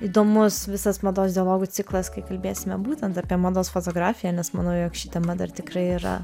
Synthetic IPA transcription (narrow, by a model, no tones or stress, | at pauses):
iːd̪oːmʊsʋʲɪsɐsmɐd̪oːsd̪ʲɪɐlˠoːɡut͡s̪ʲɪklˠɐskɐɪkɐlʲbʲeːsʲɪmʲɛbuːt̪ʲɛnt̪ɑpʲiɛmɐd̪oːsfot̪oːɡɾɑːfʲɪjɛːnʲɛsmɐnɐʊjoːkʃʲiːt̪ʲɛmɐd̪ɐrt̪ʲɪkɾɐɪɪɾɐ̰